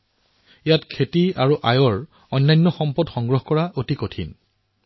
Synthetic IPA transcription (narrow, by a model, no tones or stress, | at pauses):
ijatkʰetiaɹuʔajɔɹ | ɔjnːajnːɔxɔmpɔdxɔŋɡɹɔɦkɔɹaʔotikotʰḭn